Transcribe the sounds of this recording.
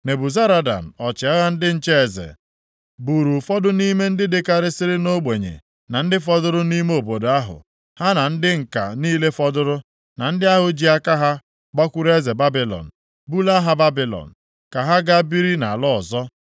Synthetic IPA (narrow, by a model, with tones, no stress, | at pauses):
ne˨bu˨za˦ɾa˦da̰˨m̩˨ɔ˨t͡ʃɪ˨a˦ɣa˦n̩˦dɪ˦n̩˦t͡ʃe˦e˨zḛ˨ | bu˨ɾu˨fɔ˦dʊ˦ni˦me˦n̩˦dɪ˦dɪ˦ka˦ɾɪ˦sɪ˦ɾɪ˦no˦ɡ͡be˨ɲḛ˨ | na˨n̩˦dɪ˦fɔ˦dʊ˦ɾʊ˦ni˦me˦o˨bo˨do˨a˦ɦʊ̰˨ | ha˦na˨n̩˦dɪ˦ŋ̩˨ka̰˨niː˦le˦fɔ˦dʊ˦ɾʊ˦ | na˨n̩˦dɪ˦a˦ɦʊ˨d͡ʒi˦a˦ka˦ɦa˦ | ɡ͡ba˦kʷʊ˦ɾe˦ze˨ba˦bi˨lɔ̰˨n̩˨ | bu˦la˦ɦa˦ba˦bi˨lɔ̰˨n̩˨ | ka˨ɦa˦ɡa˦bi˦ɾi˦na˨a˨lɔ˦ɔ˨zɔ˦